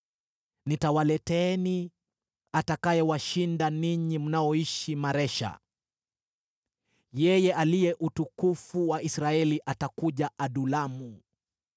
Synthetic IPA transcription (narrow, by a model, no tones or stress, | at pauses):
nitawalɛtɛni | atakajɛwaʃindaniɲim̩naɔiʃimaɾɛʃa̰ | jɛjɛʔalijɛʔutukufuwaisɾaɛliʔatakuʄaʔaɗulamu